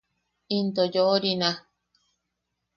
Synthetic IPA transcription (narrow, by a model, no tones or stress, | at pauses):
int̪ojoɾinã